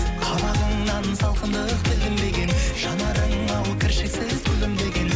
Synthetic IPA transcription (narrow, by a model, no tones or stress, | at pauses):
qʰɑbɑʁəɴnɑnsɑlˠqənd̪əəqb̪ɪlɡʲɪmd̪e̞ɡʲe̞nʒ̥ɑnɑɾəɴɑwkʲʰɪɾʃɪksɪzt̪ʰɵlɪmd̪e̞ɡʲe̞n